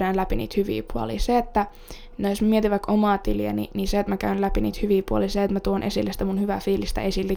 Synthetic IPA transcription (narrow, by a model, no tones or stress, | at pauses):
æːnlæpinḭːt̪hyʋḭːpuɑ̰lḭːseet̪ːæ | nejosmæmiet̪iʋɑkʔomɑːt̪iliæ̰nḭniseet̪mækæynlæpinḭːt̪hyʋiːpuɑ̰liːseet̪mæt̪uonʔesilːesit̪æmunhyʋæfiːlist̪æ̰esilːi